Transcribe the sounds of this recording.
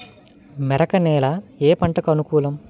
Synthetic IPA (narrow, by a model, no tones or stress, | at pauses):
mɛɾɐkɐnɛːlɐeːpɐɳʈɐkɐnukuːlɐm